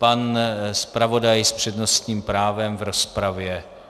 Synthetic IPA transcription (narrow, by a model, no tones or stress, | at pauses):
panspɾavo̞dajspr̝̥ɛdno̞st̪ɲiːmpɾaːvɛmvɾo̞spɾavjɛ